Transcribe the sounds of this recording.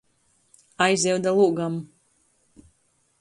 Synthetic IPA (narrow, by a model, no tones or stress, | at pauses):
ajzɛwd̪alˠuɡam